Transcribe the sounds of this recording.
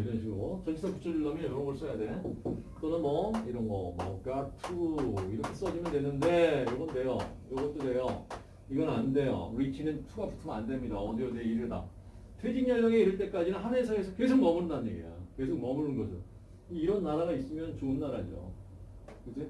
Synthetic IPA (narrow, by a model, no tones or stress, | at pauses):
iɾʌnɕʰiɡɾot͡ɕʌnd͡ʑisʰʌkut͡ɕʰʌɾiɭːʌmjijʌɾʌbʌɭs͈ʌjadwe̞t͈onɯnmʌiɾʌnɡʌ̰mʌ̰katʰuiɾʌkʰe̞s͈ʌd͡ʑimjʌndwe̞nɯnde̞jʌɡʌnde̞jo̰jʌɡʌt͈ode̞jo | iɡʌnnande̞jo̰ɾit͡ɕʰinɯntʰuɡaputʰɯmandwe̞mɲidaʌdijʌdeiɾɯda̰ | tʰed͡ʑiŋɲasʌɡeisɯɭt͈e̞k͈ad͡ʑinɯnhanesʰaesʰʌke̞sʰok̚nʌmɯɾɯndanɯɲeɡḛjo̰ke̞s̬ʰoknʌmuɾɯnɡʌsʰɯn | iːɾʌnːaɾaɣais͈ɯmjʌnɯnt͡ɕoɯnːaɾad͡ʑo̰ | kɯd͡ʑe